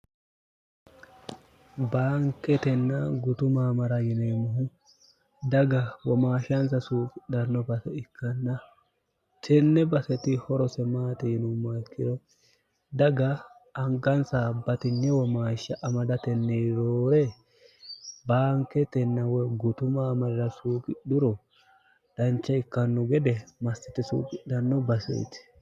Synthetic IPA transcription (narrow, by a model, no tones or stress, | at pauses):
baːŋkːɛt̪ɛnːɐɡʊt̪ʊmaːmɐɾɐjɪneːmɐɦʊ | d̪ɐɡɐwɔmaːʃɐnsɐsuːkʼɪdɐɾnːɔbɐsɛɪkʰːɐnːɐ | t̪ʰɛnːɛbɐsɛt̪ɪhɔɾɔsɛmaːt̪inʊmːɐɪkːɪd̪ɔ | d̪ɐɡɐ | ɐŋɡɐnsabɐt̪ɪnːɛwɔmaːʃːɐʔɐmɐd̪ɐt̪ɛnːeɾoːɾɛ | baːŋkːɛt̪ɛnːɐwɔɡʊt̪ʊmɐːmɐd̪ɪɾɐsuːkʼɪɗʊɾɔ | d̪̥ɐnt͡ʃːɐɪkːɐnːɔɡɛd̪ɛmɐsːɛt̪ɪsṵːkʼɪɗɐnːɔbɐsḛːt̪ɪ̥